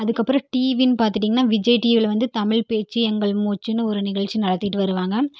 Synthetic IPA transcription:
ɐðɯkːɐpːɯɾɐ̃ʈiːʋinpaːɾt̪ɯʈ̬ːiːŋɡɐnːaːʋɪd͡ʒɐɪʈiːʋɪlʋɐnd̪ɯt̪ɐmɪɭpeːt͡ʃːɯɛŋɡɐɭmuːt͡ʃːɯnːɯɔɾɯnɪɣɐɭt͡ʃinɐɽɐt̪ːɪʈːɯʋɐɾɯʋaːŋɡɐ

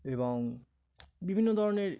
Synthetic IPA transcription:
eboŋ | bibʱinːod̪ʱɔɾoneɾ

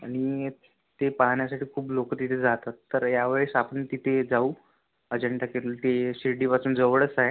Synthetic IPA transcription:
aɽ̃i | t̪epaɦɳjasaʈʰiːkʰuːplokət̪it̪ʰed͡zat̪at̪ːəɾjaʋeɭəsapəɳt̪it̪ʰed͡zauː | əd͡ʑəɳʈakelult̪eɕiɖiːpat͡suːnd͡zəʋɭət͡saɦe

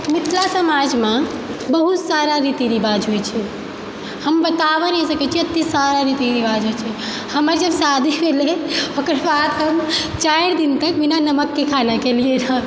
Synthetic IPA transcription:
mit̪ʰlasəmad͡ʒmã | bəɦut̪saɾaɾit̪iɾibad͡ʒɦojt͡ʃʰɛ | həmbət̪aβənɛsəkɛt͡ʃʰiət̪ːisaɾaɾit̪iɾibad͡ʒɦojt͡ʃʰɛ | həməɾd͡ʒəbsad̪ʱibeleokɾbat̪ɦəm | t͡ʃaeɾd̪int̪əkbinanəməkːekʰanakelielã

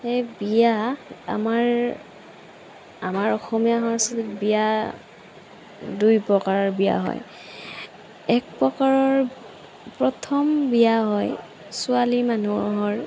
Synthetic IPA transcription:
ejbijaa̰maɹ | amaɹɔxɔmijaɦɔɹsɔtbija | dujpɹɔkaɹɔɹbija̰ɦɔ̰j | ɛk̚pɹɔkaɹɔɹ | pɹɔtʰɔmbijaɦɔj | sʊalimanuɦɔɹ

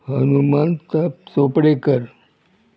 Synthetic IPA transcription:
hənumant̪əpsopɽekəɾ

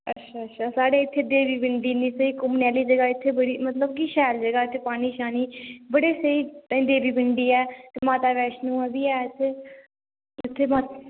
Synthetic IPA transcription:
ə̰tːʃʰaːətːʃʰaːsaːɽeːɪt̪ʰːeːd̪eːʋiːbɪɳɖiːnĩːsəiːkʊmnɛːliːd͡ʒəɡaːɪt̪ʰːeːbəɽiːmət̪ləbkiʃɛːld͡ʒəɡaːɪt̪ʰːeːpaːɽ̃iːʃaːniːbəɽeːsəĩːd̪eːbiːbɪɳɖiːɛːt̪emaːt̪aːʋɛːʃnũːɛːbiːɛːt̪ʰːeː | ɪt̪ʰːeːmaːt̪

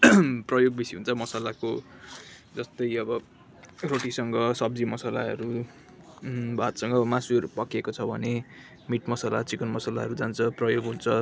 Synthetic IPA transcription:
prʌjoɡ̚bisiɦunt͡sʰʌmʌsalako | d͡zʌst̪ʌjʌbʌ | roʈisʌŋɡʌsʌb̚d͡zimʌsala̰ɦʌ̰ɾu | bʱat̪sʌŋɡʌmãsuʌɾupʌkekot͡sʰʌbʱʌne | miʈmʌsala̰t͡sikʌnmʌsalaɦʌɾud͡zant͡sʰʌprʌjoɡɦunt͡sʰʌ

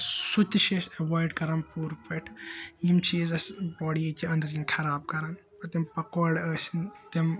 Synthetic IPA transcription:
sut̪iʃesɐʋɔːjɖkɐɾaːnpuːɾpɐʈʰjimt͡ʃʰiːzɐsbɔːɽiekiɐ̃nd̪ɾĩnkʰɐɾaːb̚kɐɾaːn | pɐt̪empɐkoːɖəːsint̪em

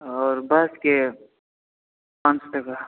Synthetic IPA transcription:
ɔːɾbaske | pãnt͡ʃʈɐka

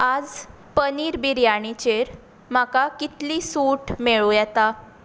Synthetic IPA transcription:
ad͡z | pəniːɾbiɾjaɽ̃it͡ɕeɾ | m̤akakit̪liːsuʈmeɭujɛt̪a

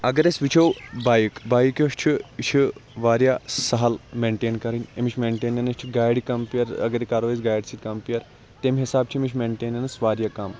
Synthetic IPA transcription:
ɐɡɐɾesʋit͡ʃʰowbaːjikbaːjikjoʃt͡ʃʰit͡ʃʰiʋaːɾjasɐɦɐlmeɳʈeːnkɐɾinʲemit͡ʃʰmeːɳʈeːnɐnɐʃt͡ʃʰiɡaːjɖikɐmpijɐɾɐ̰ɡɐɾekaːɾoːʋesɡaːjɖsit̪kɐmpijɐɾ | t̪emɦisaːb̚t͡ʃʰiemit͡ʃʰmeːɳʈeːnɐnɐsʋaːɾjakam

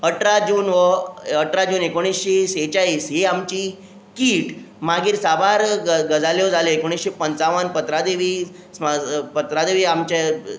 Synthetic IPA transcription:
əʈɾad͡ʑuːnʋəəʈɾad͡ʑuːnekoɽ̃isɕeset͡ɕaiːsɦeamt͡ɕi | kiːʈ | maɡiːɾsabaɾɡəd͡zaljod͡zʱaleekoɽ̃isɕepənt͡saʋənpət̪ɾad̪eʋi | spət̪ɾad̪eʋiːamt͡ɕa

